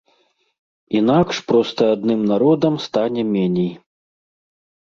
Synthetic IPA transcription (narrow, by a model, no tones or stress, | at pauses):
inakʂpɾɔst̪ɐad̪nɨmnaɾɔd̪ɐmst̪anʲɛmʲɛnʲɛj